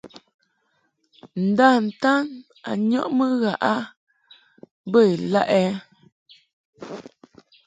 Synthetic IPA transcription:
n̩˨da˦˨n̩˨ta˦n | a̰˨ɲɔ˦ʔmə˦ɣa˨ʔa˦ | bə˦˨e˨la˦ʔɛ˦

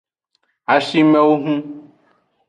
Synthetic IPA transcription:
a˨ʃi˦mɛ̃˦wo˦ɦũ˦

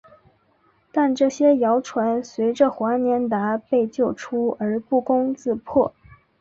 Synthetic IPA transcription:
t̪a˥˧nʈ͡ʂɤ˥˩ɕjɛ˥jɑ˧˥ʊʈ͡ʂʰwa˧˥nswe˧˥ɪʈ͡ʂə˥˧xwa˧˥njɛ˧˥nt̪a˧˥pe˥˧ɪt͡ɕjo˥˩ʊʈ͡ʂʰu˥ə˞˧˥pu˥˩kʊ˥ŋt͡sɹ̩˥˧pʰwɔ˥˩

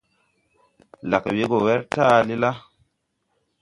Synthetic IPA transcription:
la˨kwe˦ɡo˨wɛ˦ɾtaː˦˨li˦la˦

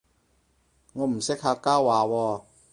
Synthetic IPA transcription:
ŋɔː˨˧m̩˨˩sɪ˥k̚haː˧kaː˥wwaː˨˧wɔː˧

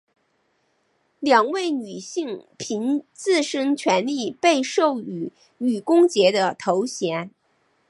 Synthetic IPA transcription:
ljɑ˨˩ŋwe˥˩ɪny˨˩ɕi˥˩˧ŋpʰi˧˥nt͡sɹ̩˥˩ʂɤ˥ŋt͡ɕʰɥɛ˧˥nli˥˧pe˥˧ɪʂo˥˩ʊy˨˩ | y˨˩kʊ˥ŋt͡ɕjɛ˧˥d̪ə˧t̪ʰo˧˥ʊɕjɛ˧˥n

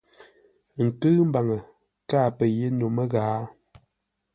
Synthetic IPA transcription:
ŋ̩˨tɨː˦m̩˦ba˨ŋə˨ | kaː˦˨pə˨je˦no˨mə˦ɣaː˨˦

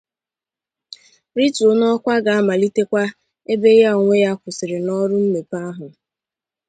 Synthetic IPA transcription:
ɾi˦to˨nɔ˦kʷa˦ɡa˨a˦ma˨li˦te˦kʷa˦ | e˦be˦ja˦o˨ŋʷe˦ja˦kʷʊ˨sɪ˨ɾɪ˨nɔ˦ɾʊ˦m̩˦me˨pa˦ɦʊ˨

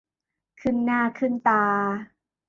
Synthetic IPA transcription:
kʰɯ˥˩nːaː˥˩kʰɯ˥˩nt̪aː˧

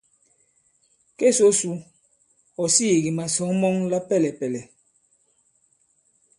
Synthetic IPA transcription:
ke˦˨so˦su˨˦ | ɔ˨si˦˨ɣi˨ma˨sɔ˨˦ŋmɔ˦ŋla˦pɛ˦lɛ˨pɛ˨lɛ˨

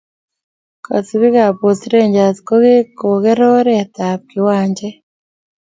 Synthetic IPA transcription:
kɔ̰˨si˨βi˦ɣa˨po˨siɾe˦ɲd͡ʒa˨si̥ko˦ɣe˦ko˨ɣɛ˦ɾɔ˦ɾɛta˨p̚ki˨waː˨ɲd͡ʒɛ˦

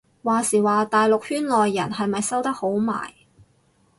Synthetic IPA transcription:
waː˨˧siː˨˩waː˨˧t̪aː˨jlʊ˨k̚hyː˥nlɔː˨jːɐ˨˩nɦɐ˨jmɐ˨jsɐ˥wt̪ɐ˥k̚ho˨˥wma̰ː˨˩j

